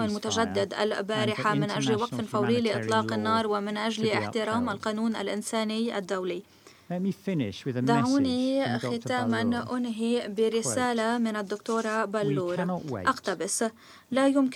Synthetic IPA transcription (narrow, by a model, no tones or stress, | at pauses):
almʊt̪aʒad̪ːɪd̪ʔa̰lbaːɾɪħamɪnʔaʒlwaqfɪnfawliːliʔɨt̪ˤlɑːqɪnːɑːɾˤwɪmɪnʔaʒlʔɪħt̪ɪɾaːmalqɑːnuːnʔa̰lʔɪnsaːnɪjʔa̰d̪ːawli | d̪aʕuːnixɪt̪aːmanʔʊnɦibiɾɪsaːlamɪnɪd̪ːʊkt̪oːɾˤabalːuːɾʔaqt̪abɪs | lajʊmk